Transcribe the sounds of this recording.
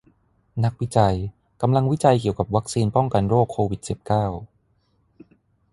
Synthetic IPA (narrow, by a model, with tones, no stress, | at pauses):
na˦˥k̚wi˦˥t͡ɕa˧j | ka˧mla˧ŋwi˦˥t͡ɕa˧jki˨˩əwka˨˩p̚wa˦˥k̚siː˧npɔ˥˩ŋka˧nɾoː˥˩kʰːoː˧wi˨˩t̪̚si˨˩p̚kaː˥˩w